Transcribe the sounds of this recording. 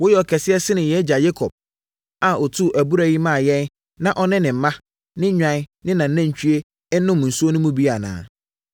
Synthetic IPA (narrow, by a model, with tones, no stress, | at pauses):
wo˦jɛ˨ɔ˨kʰɛ˨sɪ˦ɛ˦sɪ˦nɪ̃˨jɛ˦d͡ʑa˨je˦kʰɔ˨b̚ | a˨ɔ˨tʰu˦˨ʔæ˨bu˦ɾæ˦˨ji˦mã˦˨jɛ̃˦n | nã˦ʔɔ˦nɪ̃˦nɪ̃˨m̩˨˦mã˦ | nɪ̃˦ɲᶣã˨˦nɪ̃˦nã˨n̩˦nã˦ɲ˨t͡ɕᶣu˦e˦ | nʊ̃˦m˨n̩˨su˦o˦nʊ̃˦mũ˦bi˦a˨nã̰ː˨